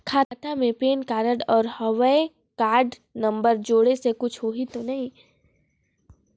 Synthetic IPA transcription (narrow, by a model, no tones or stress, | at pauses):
kʰaːt̪amẽpeːnkaːɾəɖɔːɾhɔʋəe | kaːɾɖ | nɐ̃mbəɾd͡ʒoːɽesekʊt͡ʃʰɦoːɦit̪onɐɦĩ